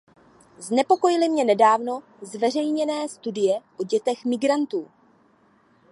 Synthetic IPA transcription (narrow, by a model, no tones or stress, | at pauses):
znɛpo̞ko̞jɪlɪmɲɛnɛdaːvno̞ | zvɛr̝ɛjɲɛnɛːst̪udɪjɛʔoɟɛt̪ɛxmɪɡɾant̪uː